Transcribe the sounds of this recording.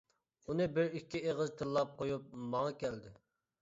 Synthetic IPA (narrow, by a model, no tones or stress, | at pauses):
unɨbɪɾikʲʰːieʁəzt̪ʰɨlˠːɑp̚qʰojup̚mɑŋɑkʲɛld̪ɪ